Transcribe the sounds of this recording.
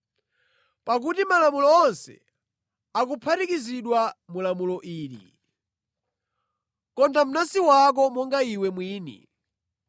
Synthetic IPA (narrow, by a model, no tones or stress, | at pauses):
pak̬utimalamulɔːnsɛ̰ | ak̬upʰatikiziɗwamulamulɔʔiːlḭ | kɔndam̩nasiwak̬ɔmɔŋɡaiwɛmwiːnḭ